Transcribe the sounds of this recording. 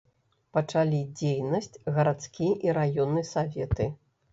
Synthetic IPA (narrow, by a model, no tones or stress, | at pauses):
pɐt͡ʂalʲid͡zʲejnɐsʲt͡sʲɣɐɾat̪skʲijɐʔiɾajɔnːɨsavʲɛt̪ɨ